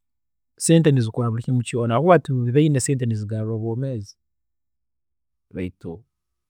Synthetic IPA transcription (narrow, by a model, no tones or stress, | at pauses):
seːntenizikwaːβulicimucoːnaɣuatuβiβainaseːnteniziɡaɾoβoːmeːzi̥ | βa̰ito